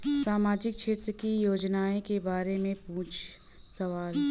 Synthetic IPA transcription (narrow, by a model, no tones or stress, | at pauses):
saːmaːd͡ʒɪk̚ʃeːt̪ɾəkijoːd͡ʒnaːẽkebaːɾemẽpũːt͡ʃʰ | sɐʋaːl